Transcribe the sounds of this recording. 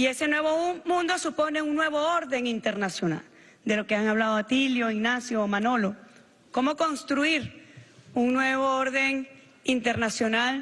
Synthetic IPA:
ie̞se̞nwe̞βomũnd̪o̞supo̞ne̞uŋnːwe̞βo̞oɾðe̞ŋint̪e̞ɾnasjo̞na̰l | d̪e̞lo̞ke̞aŋaβlaðoat̪iljo̞iɡnasjomano̞lo̞ | ko̞mo̞ko̞nst̪ɾuiɾ | uŋnwe̞βooɾðe̞ŋ | int̪eɾnasjo̞nal

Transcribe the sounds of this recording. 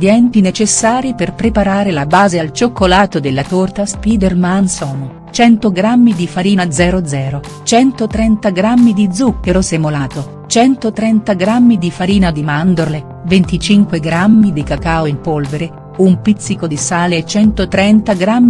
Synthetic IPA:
d̪jɛnt̪inet͡ʃesːaːɾiperpɾepaɾaːɾelabaːzealt͡ʃokːolaːt̪od̪elːat̪ort̪aspiːd̪ermansɔːn | t͡ʃɛnt̪oɡɾamːid̪ifaɾiːnad̪zɛːɾod̪zɛːɾo | t͡ʃɛnt̪ot̪ɾɛnt̪aɡɾamːid̪id̪zukːeɾosemolaːt̪o | t͡ʃɛnt̪ot̪ɾɛnt̪aɡɾamːid̪ifaɾiːnad̪imand̪orle | vent̪it͡ʃiŋkweɡɾamːid̪ikakaoimpolveɾe | umpit̪sːikod̪isaːleːt͡ʃːɛnt̪ot̪ɾɛnt̪aɡɾamːi

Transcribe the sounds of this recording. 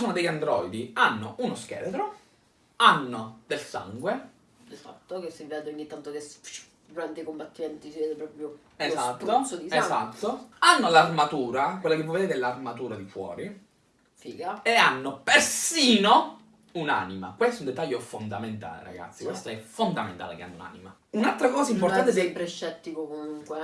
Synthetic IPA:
soːnod̪ejand̪ɾɔjd̪ianːo̰ʔunosk̟ɛ̰ːɾet̪ɾo | anːod̪elsa̰ŋɡwe | d̪elfa̰t̪ːokesivɛaːt̪ooɲːit̪ːant̪okest͡ʃ | d̪uɾant̪aikombat̪ːimɛnt̪isivɛːd̪epɾɔpɾjo | ezat̪ːosod̪isezat̪ːoanːolarmat̪uːɾakwelːakevːoved̪eːt̪ɛlːarmat̪uːɾad̪ifwɔ̰ːɾi | fiːɡaeanːopersiːno | una̰nima̰kwest̪oɛund̪et̪ːaʎːofond̪ament̪a̰ːlḛɾa̰ɡa̰t̪sːikwest̪oɛfond̪ament̪a̰lḛkea̰nːouna̰ːnima | unalt̪ɾakɔːzaimpoɾt̪ant̪ed̪ejpɾeʃt͡ʃːɛt̪ːikokomuŋkwe

